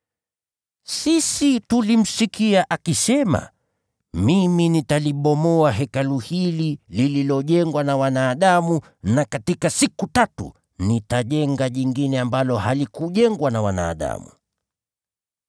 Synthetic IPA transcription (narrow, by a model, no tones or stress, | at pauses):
sisitulim̩sikiaʔakisɛma̰ | miminitaliɓɔmɔaɦɛkaluhililililɔʄɛŋɡwanawanaːɗamu | nakatikasikutatṵ | nitaʄɛŋɡaʄiŋɡinɛambalɔhalikuʄɛŋɡwanawana̰ːɗa̰mṵ